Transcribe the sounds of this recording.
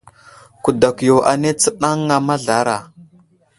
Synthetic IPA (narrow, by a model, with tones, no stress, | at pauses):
ku˨da˨kjo˨ʔa˨ne˦t͡sə˦ɗa˦ŋːa˨ma˦ɮa˨˦ɾa̰˨